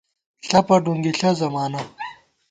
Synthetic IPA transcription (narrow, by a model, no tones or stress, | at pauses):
ɬɐpɐɖuŋɡiɬɐzɐmaːnɐ